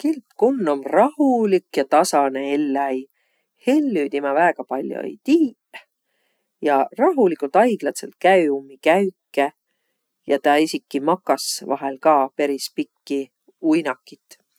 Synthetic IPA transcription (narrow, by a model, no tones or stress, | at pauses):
kilt̪kunːomrɑhulikːjɑt̪ɑsɑneelːɑj | he̞lːyt̪imɑvæːɡ̥ɑpɑlʲjo̰jt̪iː | jɑrɑɦulikːˑult̪ɑjɡ̥lɑt̪sḛlt̪̚kæyumːikæɥkːˑe | jɑt̪ɑisikːˑimɑkːɑsvɑ̰ɦelkɑːpe̞ɾispikːi | ujnɑkːˑit̪ːˑ